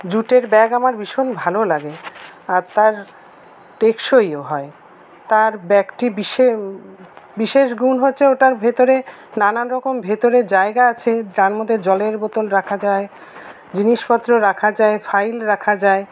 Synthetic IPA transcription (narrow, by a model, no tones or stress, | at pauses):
d͡ʑuʈeɾbɛɡamaɾbiʃonbʱalolaɡeaɾt̪aɾ | ʈekʃojoɦɔe | t̪aɾbɛkʈibiʃe | biʃeʃ̬ɡunɦotːɕʰeoʈaɾbʱet̪oɾe | nananɾɔkombʱet̪oɾed͡ʑaeɡaat͡ɕʰeɾanmod̪ʱed͡ʑɔleɾbɔt̪olɾakʰad͡ʑae | d͡ʑiniʃpɔt̪ːɾoɾakʰad͡ʑaefʰajlɾakʰad͡ʑae